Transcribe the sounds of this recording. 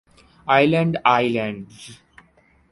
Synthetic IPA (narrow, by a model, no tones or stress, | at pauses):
aɪlə̃ɳɖaɪlə̃ɳɖz